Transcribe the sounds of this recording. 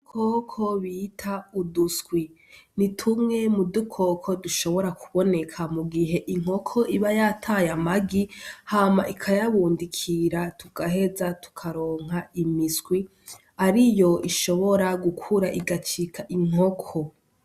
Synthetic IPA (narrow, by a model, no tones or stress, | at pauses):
ukʰokʰoβiːtʰauduskwi | nitʰumŋe̞mudukʰo̞kʰo̞duʃo̞βo̞ɾakʰuβo̞ne̞kʰamuɡiɦe̞ʔiŋ̥o̞kʰoʔiβajatʰajamaɡihaːmaʔikʰajaβuːndikʰiɾatʰuɡ̥aɦe̞zatu̥kʰaɾo̞ːŋ̥ɦaimiskwi | aɾijo̞iʃo̞βo̞ɾaɡukʰuɾaʔiɡat͡ʃikʰaʔiŋ̥o̞kʰo